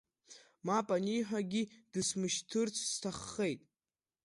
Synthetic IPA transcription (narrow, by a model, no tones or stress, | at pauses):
mapʼaniħʷᶣaɡʲid̥ɨsmɨʃtʰɨrt͡sʰstʰaχːe̞jtʼ